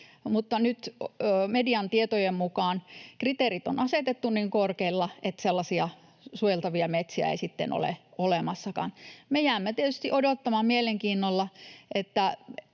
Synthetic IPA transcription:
mut̪ːɑnyt̪ːmediɑnt̪iet̪ojemmukɑːˑnkrit̪eˑrit̪o̰nɑset̪et̪ːunniŋkorkeilːɑʔet̪selːɑsiɑ | suojelt̪ɑʋiɑmet̪siæ̰ḛisit̪ːḛno̰lḛolemɑsːɑkɑ̰nmejæˑːmːæt̪iet̪yst̪iʔodot̪ːɑmɑmmieleŋkiːnːolːɑet̪ːæ

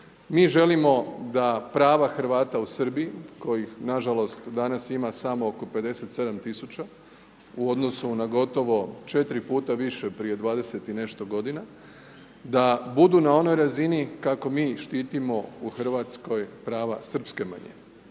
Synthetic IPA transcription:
miːʒe̞limo̞d̪apɾaːʋaxɾ̩ʋaːt̪ausər̩biiko̞jixnaʒalo̞st̪d̪anasimasamooko̞pe̞d̪e̞se̞t̪se̞d̪amt̪isut͡ɕa | uo̞d̪no̞sunaɡo̞t̪o̞ʋo̞t͡ʃe̞t̪ɾipuːt̪aʋiʃe̞pɾije̞d̪ʋaːd̪e̞se̞t̪ine̞ʃt̪oɡo̞d̪ina | d̪abud̪unao̞no̞jɾazinikako̞miːʃt̪iːt̪imo̞uxr̩ʋat̪sko̞jpɾaːʋa̰sər̩pske̞ma̰ɲḛ

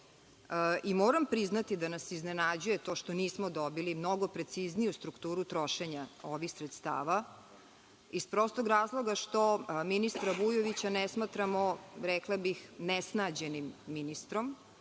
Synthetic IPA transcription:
imoːɾampɾiznat̪id̪anasiznenad͡ʑujet̪o̞ːʃt̪oniːsmod̪obilimno̞ɡo̞pɾe̞t̪siznijust̪ɾukt̪uːɾut̪ɾo̞ʃeɲao̞ʋixsɾet̪st̪a̰ːʋa | ispɾost̪oɡɾaːzlˠo̞ɡaʃt̪o̞minist̪ɾabujoʋit͡ɕanɛsmaːt̪ɾamoɾɛklˠabixnɛsnad͡ʑenimːinist̪ɾom

